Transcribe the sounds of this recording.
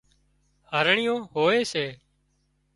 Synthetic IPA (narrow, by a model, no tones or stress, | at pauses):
həɾɳɪjõːɦoːeːseː